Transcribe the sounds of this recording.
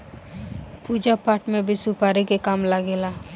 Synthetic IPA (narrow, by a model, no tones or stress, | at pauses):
puːd͡ʒapaːʈmẽbʱisupaːɾikekaːmlaɡeːlaː